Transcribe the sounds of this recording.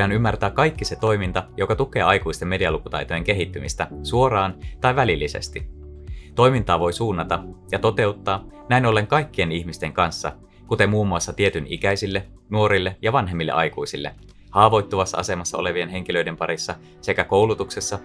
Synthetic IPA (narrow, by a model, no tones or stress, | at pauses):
ɑnymːært̪æːkkɑjkːise̞t̪o̞jmint̪ɑjo̞kɑt̪ukˑe̞ːɑjkuist̪e̞mːe̞diɑlukut̪ɑ̰jt̪oje̞ŋke̞ɦit̪ːymist̪æsuo̞ɾɑːnt̪ɑiʋælilːisḛst̪i | t̪o̞jmint̪ɑːʋo̞jsuːnːɑt̪ɑjɑt̪o̞t̪e̞ut̪ːɑːnæino̞lːe̞ŋkɑjkːie̞nihmist̪e̞ŋkɑnsːɑ̰ | kut̪e̞muːmːuɑsːɑt̪ie̞t̪ynḭkæjsilːe̞ | nuo̞ɾilːejɑʋɑnɦe̞mːilːḛʔɑ̰jkuisilːe̞̰ | hɑːʋo̞jt̪ːuʋɑsːɑ̰ɑ̰se̞mɑsːɑ̰o̞le̞ʋie̞nɦe̞ŋkilø̞jde̞mpɑɾisːɑ | se̞kæko̞wlut̪uksesːɑ